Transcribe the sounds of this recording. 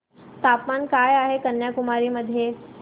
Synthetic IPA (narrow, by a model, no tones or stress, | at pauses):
t̪apmankajaɦekənjakumaɾiːməd̪ʱːje